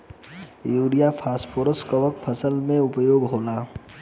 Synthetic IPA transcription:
juːɾijapʰaːspoːɾəskəʋəkpʰɐsəlmẽʊpjoːɡɦoːlaː

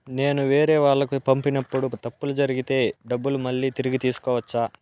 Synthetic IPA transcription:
ne̞ːnuʋe̞ːɾɛːʋaːɭːɐkupɐmpinɐpːuɽut̪ɐpːulud͡ʒɐɾiɡit̪e̞ːɖɐbːulumɐɭːiːt̪iɾiɡit̪iːsu̥kɔːʋɐt͡ʃːaː

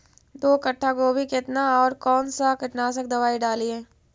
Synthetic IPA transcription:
d̪oːkɐʈʰːakobʱikɪt̪naɔːɾkɔːnsakɪʈnaːs̬ək̚d̪ɐʋaːiɖaːliẽː

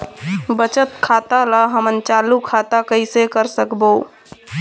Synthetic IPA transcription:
bət͡ʃət̪kʰaːt̪alaɦəmənt͡ʃaːlukʰaːt̪akəisekəɾsəkbo

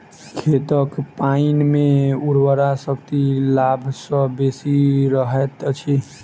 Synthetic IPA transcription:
kʰet̪əkpainmeuɾwəɾasəkt̪ilabʱsə̃besiɾəɦet̪t͡ʃʰi

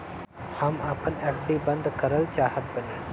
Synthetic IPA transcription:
hɐmaːpənekʈibɐ̃nd̪kɐɾəlt͡ʃaːɦət̪̚bəneː

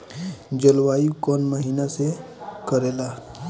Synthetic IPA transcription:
d͡ʑəlʋaikɔnməɦinase | kəɾela

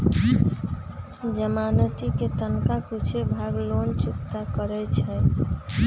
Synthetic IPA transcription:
d͡ʒəmanət̪iket̪ənkakut͡ʃʰebʱaɡlont͡ʃukt̪akəɾɛt͡ʃʰɛ

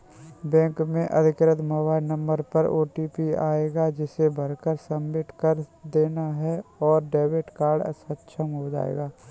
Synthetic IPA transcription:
bɛ̃ːŋkmẽʔɐ̰d̪ʱɪkɾət̪mɔːbaːɪnə̃mbəɾpɐɾo̰ːʈiːpia̰ːeːɡad͡ʒɪsebʱɐɾkəɾsɐmːɪʈʰkəɾd̪eːnaɦɛɔːɾɖeːʋeʈkaːɾɖə̰sətt͡ʃʰəmɦod͡ʒa̰ːḛːɡaː

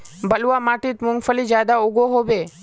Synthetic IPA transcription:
bəluʋamaʈit̪mʊŋɡfəlid͡ʒjad̪auɡoɦobe

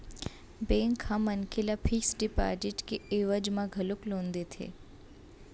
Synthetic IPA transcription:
bẽŋkʰːãmənkʰelapʰiksɖipa̰ʈiʈkeeʋəd͡ʒmãɡʱəloklõnd̪et̪ʰḛ

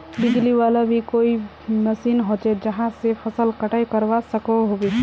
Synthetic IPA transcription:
bid͡ʒliwalabʱikoi | nəsinɦot͡ʃɛd͡ʒəɦãsepʰəsəlkəʈajkəɾbasəkɔɦobi

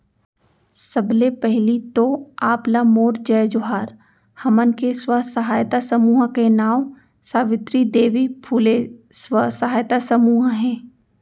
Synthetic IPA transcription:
sɐblepɛɦlit̪oaːplamoːɾd͡ʒɛːd͡ʒʊɦaːɾ | hɐmənkeswəɦsɐɦaːjt̪asəmuːɦkenaːm | saːʋɪt̪ɾid̪eːʋipʰuːleswəsəɦaːjt̪asɐmuːɦɦɛ̃ː

